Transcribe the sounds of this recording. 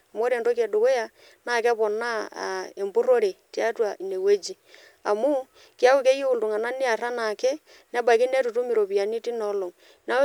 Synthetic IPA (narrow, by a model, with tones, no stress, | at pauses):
a˨m˦o˦ɾe˨ndo˦k̬je˨do˨we˦ja˨ | na˦˨ka˦βo˨na˦˨e˨mbu˦ɾo˦ɾe˨tja˦twa˨i˨ne˨we˦d͡ʒi˦ | a˨mu˦ | kja˦wu˦ke˦e˦u˨ldu˨ŋa˨na˦ni˦a˨ɾa˦na˨ke˦ | ne˦ba˨ki˦ne˦tu˨tu˦mi˨ɾo˨βi˨a˨ni˦ti˦nɔ˨˦lo˨ŋ | na˦